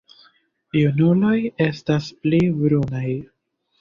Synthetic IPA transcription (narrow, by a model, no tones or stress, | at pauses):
junulo̞je̞stasplibɾunaj